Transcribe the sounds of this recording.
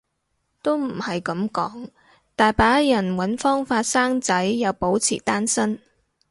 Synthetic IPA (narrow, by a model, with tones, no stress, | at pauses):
t̪o˥wm̩˨˩hɐ˨jkɐ˨˥mkɔ̰ː˨˥ŋ | t̪aː˨jpaː˨˥jɐ˨˩nwɐ˨˥nfɔː˥ŋfaː˧t̚saː˥ŋt͡sɐ˨˥jːɐ˨˧wpo˨˥wt͡sʰḭː˨˩t̪aː˥nsɐ˥n